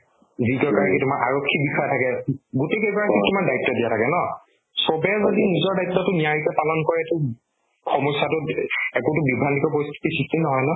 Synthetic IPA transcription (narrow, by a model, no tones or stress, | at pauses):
zikɔkaɹakitʊmaɹʔaɹɔkʰːibixaɛtʰakɛɡutejkekaɹakitʊmaɹdajtːɔdijatʰakɛnɔ | sɔbɛzodinizɔɹdajtːɔtʊniaɹikɛpalɔnkɔɹɛtʊ | xɔmɔsatʊɛkʊtʊbibʱandikɔpoɹist̪ʰu̥tisistʰinɔɦɔjnɔ